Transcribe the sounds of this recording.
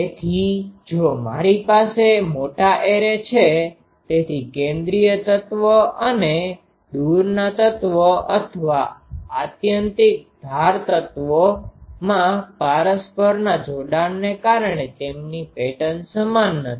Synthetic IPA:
et̪ʰid͡ʒoma̰ɾipasemoʈaʔeɾet͡ʃʰe | t̪et̪ʰikẽnd̪ɾijət̪ət̪ʋəʔəne | d̪uɾnat̪ət̪ʋəʔət̪ʰəʋaat̪jənt̪ɪk̚d̪ʱaɾt̪ət̪ʋomãpaɾəspəɾnad͡ʒoɖanːekaɾɳet̪emnipeʈənsəmanːət̪ʰi̥

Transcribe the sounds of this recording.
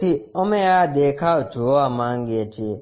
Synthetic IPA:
iɔmejad̪ekʰad͡ʒoamaŋɡeetʰi

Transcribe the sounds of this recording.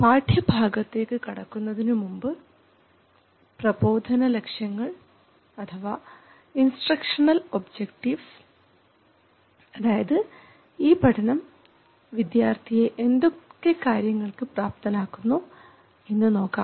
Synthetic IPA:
paːʈʰjɐbʱaːɡɐt̪ːe̞ːkːɨkɐɽɐkːunːɐðinɨmumbɨ | prɐbo̞ːd̪ʱɐnɐlekʂjɐŋːɐɭ | ɐt̪ʰɐʋaː | insʈrɐkʂɐɳɐlobd͡ʑekʈiʋs | ɐðaːjɐðɨ | iːbʱɐʈʰɐnɐm | ʋid̪jaːrt̪ʰijeʔend̪okːekaːɾjɐŋːɐɭkɨpraːp̚t̪ɐnaːkːunːu | inːɨno̞ːkːa̰ːm

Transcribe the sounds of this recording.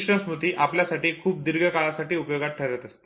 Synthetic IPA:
ʂɾə̃smɾut̪iːʔapljasaʈiːkʰuːp̚d̪iɾɡʱəkaɭasaʈiːupjoɡat̪̚ʈʰəɾət̪əst̪e̥

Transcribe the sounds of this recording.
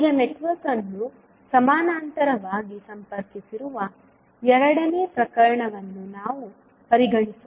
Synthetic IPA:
ɡɐneʈʋɐɾkɐnːu | sɐmaːnaːnt̪ɐɾɐʋaːɡisɐmpɐɾkisiɾuʋɐ | ɛɾɐɽɐneːpɾɐkɐɾɐɳɐʋɐnːunaːʋu | pɐɾiɡɐɳisu

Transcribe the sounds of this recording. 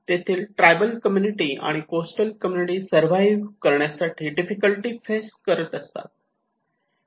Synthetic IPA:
t̪et̪ʰiːlʈɾajbəlkəmjuniʈiːa̰ɽ̃ikosʈəlkəmjuniʈiːsəɾʋajʋkəɾɳjasaʈʰiːɖifikəlʈiːfeskəɾət̪əst̪a̰t̪̚

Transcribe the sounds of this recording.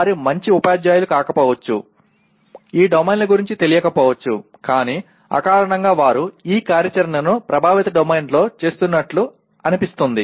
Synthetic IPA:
aːɾimɐɲt͡ʃiupaːd͡ʒjaːjulukaːkɐpɔːʋɐt͡ʃːṵ | iːɖɐmɐjnlɐɡuɾiɲt͡ʃit̪e̞lijɐkɐpɔːʋɐt͡ʃːṵ | kaːniː | ɐ̰kaːɾɐɳɐŋɡaːʋaːɾuiːkaːɾjɐt͡ʃɐɾnɐnupɾɐbʱaːʋit̪ɐɖɐmejnɖlo̞ːt͡ʃe̞ːst̪unːɐʈlu | ɐnipist̪und̪i

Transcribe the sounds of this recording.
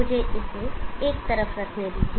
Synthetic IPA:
ʊd͡ʒʱeʔɪseeːk̚t̪ɐɾəfɾɐkʰeːliːt̪ʰi

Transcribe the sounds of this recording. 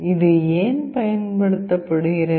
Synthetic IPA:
ɪðɯeːnpɐjɐnpɐɽɯt̪ːɐpːɐɽɯɣɪɾɐ

